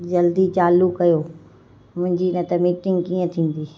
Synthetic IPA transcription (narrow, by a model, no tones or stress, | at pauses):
d͡ʑɐld̪it͡ɕaːlukɐjoː | mʊ̃ɦɪ̃ɲd͡ʑinə̃t̪ɐmiːʈɪ̃ŋɡkĩːə̃t̪ʰĩːn̆d̪iː